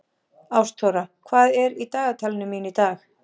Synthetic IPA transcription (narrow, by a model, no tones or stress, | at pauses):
awst̪ʰɔwɾakʰvaːðɛɾit̪aːɣat̪ʰalɪnʏminit̪aːx